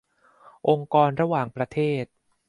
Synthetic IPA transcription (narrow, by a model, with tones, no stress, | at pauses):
ʔo˧ŋkɔː˧nɾa˧waː˨˩ŋpɾa˧t̪ʰeː˥˩t̪̚